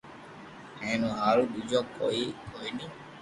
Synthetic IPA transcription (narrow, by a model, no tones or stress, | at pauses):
ɛ̃nũɦaɾuɗud͡ʒɔkːɔ̰ikɔini